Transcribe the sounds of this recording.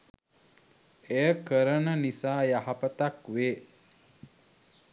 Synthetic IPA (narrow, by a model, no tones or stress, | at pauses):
ejəkəɾənənisaːjaɦapət̪akʋeː